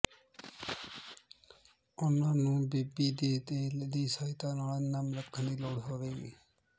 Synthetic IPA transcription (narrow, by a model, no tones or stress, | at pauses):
ʊnãːnũːbiːbiːd̪eːd̪eːd̪iːsəːɪt̪ãːnaːlnamɾəkʰːənd̪iːloːɽɦoːʋeːɡḭː